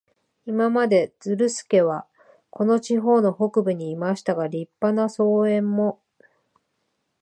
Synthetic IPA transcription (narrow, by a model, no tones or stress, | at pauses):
imamad̪e̞d͡z̥ɨɾɯ̟sɨ̥ke̞βa | ko̞no̞t͡ɕiɦo̞ːno̞ho̞kɯ̟bɯ̟ɲ̟iːmaɕi̥t̪aɡaɾʲipːanaso̞ːẽ̞mːo̞